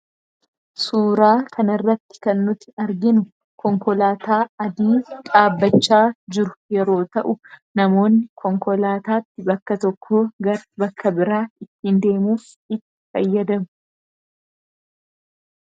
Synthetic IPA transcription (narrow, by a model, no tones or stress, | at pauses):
suːɾaːkʰɐnɐrːɐt̪ːɪ̥kɐnːʊt̪ːɪɐɾɡɪnʊ | kɔŋkɔlaːt̪aːɐd̪iːkʼaːbːɐt͡ʃːaːd͡ʒɪɾʊjɛɾo̞ːt̪ɐʔʊnɐmo̞ːnːɪkʰɔŋkɔlaːt̪aːt̪ːɪbɐkːɐt̪ɔkʰːoːɡɐɾbɐkːɐbɪɾaːɪt̪ːɪnd̪e̞ːmuːf | ɪt̪ːɪ̥fɐjːɐd̪ɐmʊ